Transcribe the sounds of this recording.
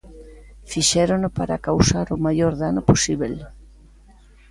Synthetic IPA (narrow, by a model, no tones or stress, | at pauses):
fiʃɛɾonopaɾakawsaɾomajoɾðanoposiβel